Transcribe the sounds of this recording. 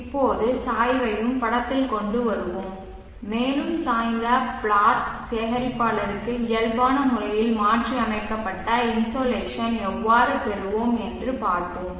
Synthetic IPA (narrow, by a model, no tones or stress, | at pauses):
ɪpːoːðɯsaːjʋɐjɯmpɐɽɐt̪ːɪlkɔɳɖɯʋɐɾɯʋɯmː | eːlɯmsaːjnd̪ɐbɭaːʈseːɣɐɾɪpːaːlɐɾɯkːɯɪjɐlbaːnɐmʊrɐjɪlmaːʈriɐmɐɪkːɐpːɐʈːɐɪnsoːleːʂɐnɛʋːaːɾɯpɛɾɯʋoːmɛndrɯpaːɾt̪ɯm